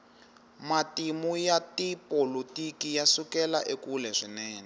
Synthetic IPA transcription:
matimujatipolutikijasukɛlaʔekulɛʂinɛːnɛ

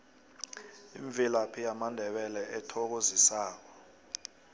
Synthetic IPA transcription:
ḭɱb̪vʱilapʰijamandʱɛɓɛlɛʔɛtʰɔk̬ozisaːk̬ɔ

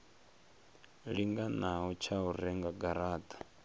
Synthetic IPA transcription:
ɺiŋɡanaɦɔt͡ʃʰauɾɛŋɡaɡaɾaːtʼḁ

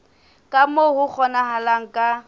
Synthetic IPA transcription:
kʼamohʊk͡xʰɔnahalaŋ̩kʼa

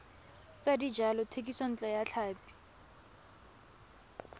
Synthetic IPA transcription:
t͡sadid͡ʒalɔtʰekʼisɔn̩t͡ɬʼɔjat͡ɬʰaːpi̥

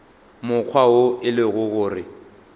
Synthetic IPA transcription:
mʊk͡xʰwaoɪlɪɣʊɣʊːrɪ

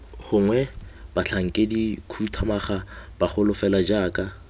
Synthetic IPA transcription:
χʊŋwɛb̥at͡ɬʰaŋ̩kʼedikʰurutʰamaχab̥aχʊlʊfɛlad͡ʒaːkʼa

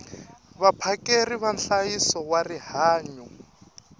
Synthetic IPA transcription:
βapʰakʼeriβanɬajisɔwarihaːɲɔ

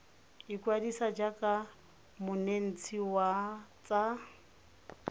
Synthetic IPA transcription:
ikʼwadisad͡ʒakʼa | mʊnen̩t͡sʰiwat͡sʼa

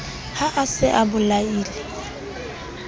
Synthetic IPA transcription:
haʔasɪʔabʊlaiːlɪ

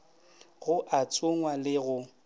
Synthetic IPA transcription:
ɣʊʔat͡sʼʊŋwalɪɣʊ

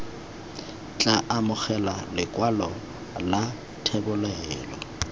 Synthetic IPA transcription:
t͡ɬʼaʔamʊχɛlalɪkʼwalɔ | la | tʰɛbʊlɛːlɔ

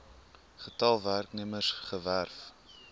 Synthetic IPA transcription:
χətɐlˠværknəmərsχəværf

